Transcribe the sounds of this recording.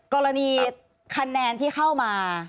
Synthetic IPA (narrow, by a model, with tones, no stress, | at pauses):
kɔː˧ɾa˧niː˧ | kʰa˧nːɛː˧nt̪ʰiː˥˩xa˥˩wmaː˧